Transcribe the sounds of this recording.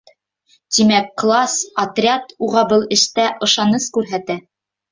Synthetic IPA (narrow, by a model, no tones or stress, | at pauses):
t̪imækːlˠɑsɐt̪rʲat̪uʁɑbɤlˠɘ̆ʃt̪æʔɤ̆ʃɑnɤskʉɾɦæt̪æ